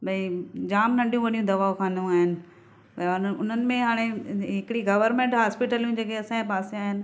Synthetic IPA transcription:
bɐid͡ʑaːmnɐ̃ɳɖijũʋɐɗijũd̪ɐʋaːokʰãːnd̪ũaːɦɪnɪ̆ | bɐnʊn̤ənɪ̆mẽɦaːɽ̃eɦɪkɪɽiɡɐʋəɾmẽːɳʈɦaːspɪʈəljũd͡ʑeːkʰeɐsãːẽpaːseaːɦɪnɪ̆

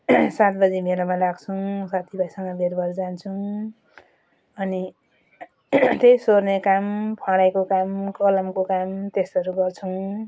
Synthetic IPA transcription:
sat̪̚bʌd͡zimelʌmalaɡt͡sʰũsat̪ʰibʱʌisʌŋɡʌbʱeɾbʱʌɾd͡zant͡sʰũ | ʌni | t̪ejsornekampʰãɽajkokamkʌlʌmkokamt̪esʌɾuɡʌrt͡sʰʌw̃

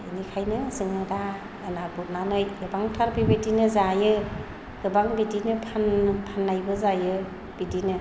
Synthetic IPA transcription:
inikʰajnɯzɯŋɯdaː | nabut̚nanɯjɡɯbaŋtʰaɾbibidinɯzajɯ | ɡɯbaŋbidinɯpʰanpʰanːajbɯzajɯ | b̥idinɯ

